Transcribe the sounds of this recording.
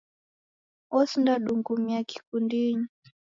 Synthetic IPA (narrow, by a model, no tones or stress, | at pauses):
ɔsndaɗuŋɡumiaki̥kundiɲi